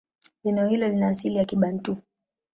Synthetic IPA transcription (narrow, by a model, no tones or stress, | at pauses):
linɛɔhilɔlinaːsilijakiɓan̩tu